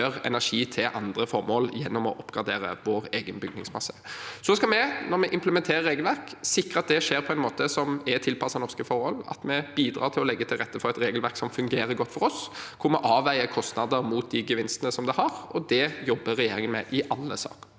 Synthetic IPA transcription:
øʁɛ̰næʁʂiːt̪ʰɪlʔɑnd̪ɾəfɔʁmoːljɛnːɔmɔ̰ʔɔpːɡ̥ɑd̪eːɾə̰ʋoːɾeːɡənbʏɡdnɪ̰ŋsmɑsːəsɔskɑlmɛnɔɾmɛʔɪmpləmɛnt̪ʰeːɾəɾːeːɡəlʋæɾksɪkːɾəɑt̪̚d̪ɛʂeːɾpʰɔɛnmoːt̪əsɔmɛt̪ʰɪlpʰɑsɑnɔʁskəfɔɾhɔlɑ̰t̪mɛb̥iːd̪ɾɑ̰ːɾt̪ʰɪlɔlɛɡːət̪ʰɪlʁɛt̪ːəfɔɾɛt̪ɾeːɡəlʋæʁksɔmfʉŋɡeːɾəɡɔt̪ːfɔɾɔskʰʊɾmɔʔɑːʋæɪəkʰɔst̪nɑd̪əɾmuːt̪̚d̪ɪɡəʋɪnst̪ənəsɔmd̪ɛhɑɾɔd̪ɛjɔbːəɾɛjeːɾɪŋənmɛ̰ʔɪʔɑlːə̰sɑ̰ːk

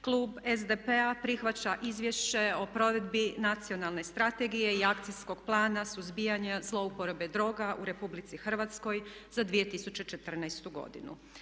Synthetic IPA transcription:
klˠuːbezd̪e̞peapɾixʋat͡ɕaʔizʋje̞ʃt͡ɕe̞o̞pɾo̞ʋe̞d̪binat̪sio̞nalˠne̞st̪ɾat̪e̞ɡije̞iakt̪sijsko̞ɡplˠaːnasuzbijaɲezlˠo̞upo̞ɾobe̞d̪ɾo̞ːɡaʔuɾe̞publit̪sixr̩ʋat̪sko̞jz̥ad̪ʋijet̪isut͡ɕe̞t͡ʃet̪r̩najst̪uɡo̞̰d̪ḭnṵ

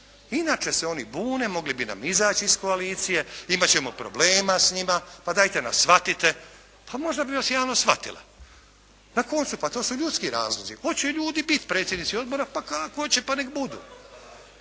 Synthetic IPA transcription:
inat͡ʃeseo̞nibuːne̞mo̞ɡlibina̰mizaːt͡ʃiisko̞aliːt̪sije̞imat͡ɕe̞mopɾo̞̰bleːmasɲimapad̪aːjt̪e̞na̰sʋat̪it̪e̞ | pʰamo̞ʒd̪abiʋasjaːʋnosʋat̪ḭla̰ | nako̞nt̪supat̪oːsuʎut̪skiɾaːzlˠo̞ziho̞t͡ɕeʎuːd̪ibit̪pɾe̞ːt̪sjed̪nit̪sio̞d̪̚bo̞ɾapakakoot͡ɕepanekbud̪ṵː

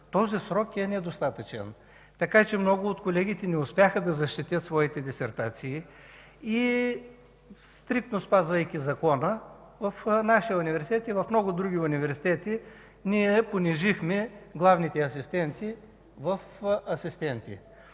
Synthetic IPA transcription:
t̪ɔzisɾɔkɛnɛd̪ost̪at̪ət͡ʃɛ̰n | t̪ɐkat͡ʃɛmnɔɡʊːt̪kolɛɡʲit̪ɛnɛʊspʲjaxəd̪ɐzɐʃt̪it̪ʲjət̪svɔit̪ɛd̪isɛɾt̪at̪siː | i | st̪ɾik̚t̪nospazvɐjkʲizɐkɔnə | vɐfnaʃijəunivɛɾsi̥t̪ɛt̪ivɐfmnɔɡʊd̪ɾuɡ̟ʲiʊnivɛɾsi̥t̪ɛt̪i | niɛponiʒixmɛɡlˠavnit̪ɛɐsist̪ɛnt̪i | vɐfɐsist̪ɛnt̪ḭ

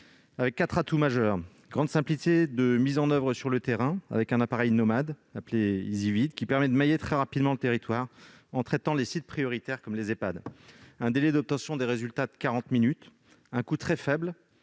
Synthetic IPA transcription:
avɛkːat̪χat̪umaʒœːʁ | ɡʁɑ̃d̪sɛ̃plit̪ed̪əmizɑ̃nœvʁəsyʁlət̪eʁɛ̃a̰vɛkɛ̃napaʁɛjnɔmad̪apleizivid̪kʲipɛʁmɛd̪əmajet̪χɛʁapid̪mɑ̃lət̪eʁit̪waʁ | ɑ̃t̪χɛt̪ɑ̃lesit̪̚pχijɔʁit̪ɛʁkɔmlezepad̪ɛ̃d̪elɛd̪ɔp̚t̪ɑ̃sjɔ̃d̪eʁezylt̪ad̪əkaʁɑ̃t̪minyt̪ | ɛ̃kut̪χɛfɛbl

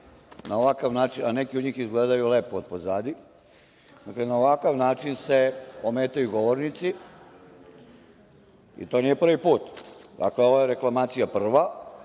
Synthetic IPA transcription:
naoʋakaʋnaːt͡ʃinanekiod̪ɲiːxizɡleːd̪ajulepood̪̚pozaːd̪i | d̪aklenaoʋakaʋnaːt͡ʃinseomeːt̪ajuɡo̞ʋoɾnit̪si | ḭt̪o̞ːnije̞pr̩ʋipuːt̪d̪a̰kleo̞ʋajeɾe̞klˠamaːt̪sijapr̩ʋa

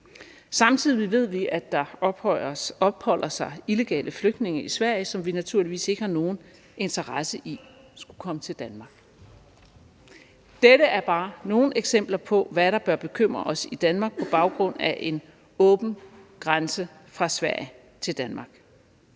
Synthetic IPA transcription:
sɑ̈mt͡sʰið̞̰ˠiʋe̝ð̞̰ˠʋiʔæd̥ɑ̈b̥hɒɒ̽b̥hɒ̽l̰ɐsɑ̈ɪile̝ɡ̥ɛ̰ːlʔəfløɡ̥d̥ne̝ŋɐisʋæɐ̰jsɒ̽mʋinæt͡sʰuɐ̰liʋḭːse̝ɡ̥əhɑ̈no̝ːn̩ | e̝nt͡sʰɐʁɑsəʔi | sɡ̥ukʰɒ̽mət͡sʰe̝ld̥ænmɑ̈ɡ̥ | d̥eɾəʔæɐb̥ɑ̈ːno̝ːn̩e̝ɡ̥sem̰b̥lɐpʰɒ̽ʋæɾ̥ɑ̈b̥ɶɐb̥e̝kʰøm̰ʁɐɒ̽sid̥ænmɑ̈ːɡ̥̚pʰɒ̽b̥ɑ̈ʊɡ̥ʁɔ̽n̰æʔe̝n | ɔ̽ːb̥n̩ɡ̥ʁansə | fʁɑ̈sʋæɐ̰j | t͡sʰe̝ld̥ænmɑ̈ɡ̥

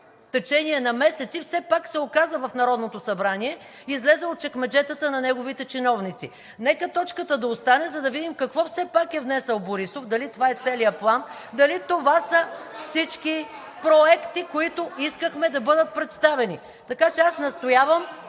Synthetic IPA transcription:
ft̪ɛt͡ʃɛniɛnɐmɛsɛt̪sifsɛpaksɛokazəvɐfnɐɾɔd̪not̪osɐbɾaniɛ | izlɛzɛot̪̚t͡ʃɛkmɛd͡ʒɛt̪ət̪ənɐnɛɡovit̪ɛt͡ʃinɔvnit̪sḭ | nɛkət̪ɔt͡ʃkət̪əd̪ɐost̪anɛzɐd̪ɐvid̪imkɐkvɔfsɛpakɛvnɛsəlˠboɾisofd̪ɐlit̪ovaɛt̪sɛlijəplˠand̪ɐlit̪ovasəfsit͡ʃki | pɾoɛkt̪ikoit̪oiskəxmɛd̪ɐbɤd̪ət̪̚pɾɛt̪st̪avɛni | t̪ɐkat͡ʃɛasnɐst̪ojavəm

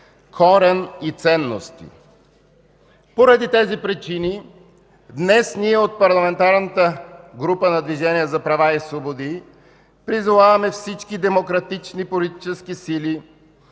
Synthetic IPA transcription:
kʰɔɾɛnit̪sɛnːo̰st̪ḭ | poɾɐd̪it̪ɛzipɾit͡ʃini | d̪nɛsniɛot̪̚pɐɾlˠɐmɛnt̪aɾnət̪əɡɾupənɐd̪viʒɛniəzɐpɾɐvaisvobod̪i | pɾizovavɐmɛfsit͡ʃkid̪ɛmokɾɐt̪it͡ʃnipolit̪it͡ʃɛskisili

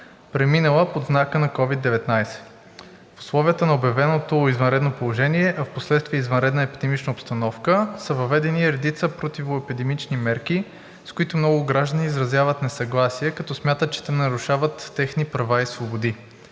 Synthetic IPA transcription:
pɾɛminəlˠəpod̪znakənɐkɔvid̪ːɛvɛt̪najsɛ̥ | fʊ̥slˠɔviət̪ənɐobjɐvɛnot̪oizvɐnɾɛd̪nopolˠoʒɛniɛʔɐfposlɛt̪st̪viəizvɐnɾɛd̪nəɛpid̪ɛmit͡ʃnəopst̪ɐnɔfkəsəvɐvɛd̪ɛniɾɛd̪it̪səpɾot̪ivʊɛpid̪ɛmit͡ʃnimɛɾki | skʊit̪ʊmnɔɡʊɡɾaʒd̪əniːzɾɐzjavət̪nɛsɐɡlˠasiɛkɐt̪ɔsmʲjat̪ət̪t͡ʃɛ̥t̪ɛnɐɾʊʃavət̪ːɛxnipɾɐvaisvobod̪i

